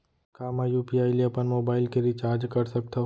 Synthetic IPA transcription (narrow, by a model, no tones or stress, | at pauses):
kaːmajuːpiaːiliɐpənmoːbaːɪlkeɾit͡ʃaːɾd͡ʒkɐɾsɐk̚t̪a